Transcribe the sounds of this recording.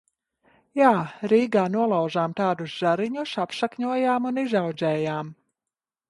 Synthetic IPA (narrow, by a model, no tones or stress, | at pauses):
jaːɾiːɡaːnuɔlˠawʒaːmt̪aːd̪usz̥aɾiɲusapʃakɲuɔjaːmunizawd̪zʲɛːjaːm